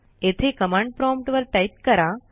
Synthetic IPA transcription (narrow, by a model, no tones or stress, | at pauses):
et̪ʰekəmãɳɖ̚pɾɔmʈʋəɾʈajʈ̚kəɾa